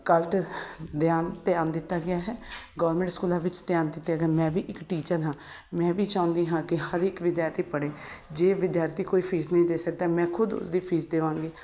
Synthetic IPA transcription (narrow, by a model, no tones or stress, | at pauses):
kəlʈd̪ɪjaːnt̪ɪjaːnd̪ɪt̪ːaːɡɪjaːɦɛːɡəːʋəɾmɛ̃ɳʈskuːlãːʋɪt͡ʃt̪ɪjaːnd̪ɪt̪ːaːɡɪaːmɛ̃ːʋiːʔɪkʈiːt͡ʃəɾɦãː | mɛ̃ːʋiːt͡ʃãːʊ̃nd̪iːɦãːkɪhəɾɪkʋɪd̪jaːɾt̪iːpəɽeːd͡ʒeːʋɪd̪jaːɾt̪iːkoːiːpʰiːsnəĩːd̪eːsək̚d̪aːmɛ̃ːkʰʊd̪ʊ̰sd̪iːpʰiːsd̪eːʋãːŋɡeː